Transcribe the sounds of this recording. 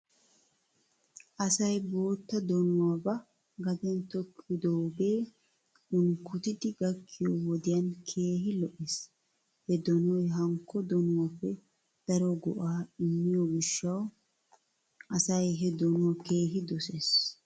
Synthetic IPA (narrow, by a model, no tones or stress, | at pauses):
ʔɐsɐjbo̞ːt̪ːɐd̪ɔnʊwaːbɐ | ɡɐd̪ɛnt̪ɔkʰːɪd̪oːbe̞ː | ʊnkʰʊt̪ɪd̪ɪɡɐkʰːɪjɔwɔd̪ɪjɐnkʰe̞ːɦɪlɔʔes | hɛd̪ɔnɔjɦɐŋkʰːɔd̪ɔnʊwapːɛ | d̪̥ɐɾɔɡɔ̰ʔaːɪmːɪjɔɡɪʃːɐw | ʔɐsɐjɦɛd̪ɔnʊwɔke̞ːɦɪd̪ɔseːs